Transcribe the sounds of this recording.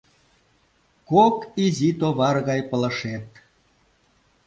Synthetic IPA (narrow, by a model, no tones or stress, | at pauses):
kokizʲit̪oβɑrɣɑjpə̆lə̆ʃet̪̚